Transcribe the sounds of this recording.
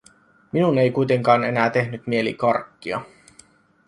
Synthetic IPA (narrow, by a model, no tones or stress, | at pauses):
minune̞jkujt̪eŋkɑːne̞næːt̪e̞ɦnyt̪mielḭkɑrkːiɑ̰